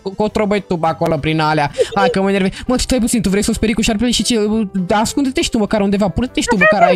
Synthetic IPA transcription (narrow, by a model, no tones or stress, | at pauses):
kot̪ɾobəjt̪ubakolopɾinaleaakəməneveməlt̪i̥t̪ɾejp̬ut̪sint̪uvɾejsospeɾikuʃaɾpeleʃit͡ʃeaskund̪et̪eʃi̥t̪uməkaɾund̪evapuɾt̪et̪eʃt̪uməkaɾa